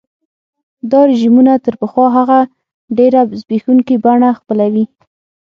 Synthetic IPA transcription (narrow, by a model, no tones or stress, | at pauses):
d̪ɑɾɪʒimunat̪əɾpəxwɑɦaɣa | ɖeɾazbexuŋkibaɳaxpəlawi